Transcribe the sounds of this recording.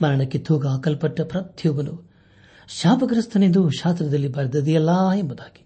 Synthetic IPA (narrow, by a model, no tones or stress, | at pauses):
mɐɾɐɳɐkːet̪ʰuːɡɐːkɐlpɐʈːɐpɾɐt̪juːbɐnu | ʃaːpɐɡɐɾɐst̪ʰɐnend̪uʃaːst̪ɾɐd̪ɐlːibɐɾd̪ɐd̪ijɐlːaːembud̪aːɡi̥